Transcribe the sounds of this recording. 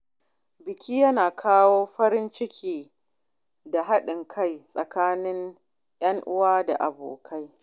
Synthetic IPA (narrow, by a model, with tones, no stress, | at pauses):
bɪ˨kʲiː˦jɐ˦naː˨kʰaː˦woː˦ɸɐ˦ɾɪ˦nt͡ʃɪ˦kʲʰiː˦˨ | da˨ɦa˦ɗɪ˨ŋkʰa˦jsʼɐ˨kaː˦nɪ˦ŋ | jɐ˦ŋʔʊ˦waː˦da̰˨ʔa̰˨bo̰ː˨kʰa˦j